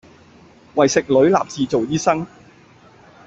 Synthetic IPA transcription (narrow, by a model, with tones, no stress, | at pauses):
wɐ˨jsɪ˨k̚lɵ˨˥ɥla̰ː˨p̚t͡siː˨˧t͡so˨wjiː˥sɐ˥ŋ